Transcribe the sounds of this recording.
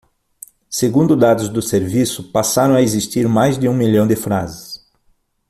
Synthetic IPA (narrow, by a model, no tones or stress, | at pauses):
seɡũnd̪ʊd̪ad̪ʊzd̪ʊseɾvisʊpasaɾɐ̃w̃aezist̪iɾmajzd̪ɪũmiʎɐ̃w̃d̪ɪfɾa̰zɪs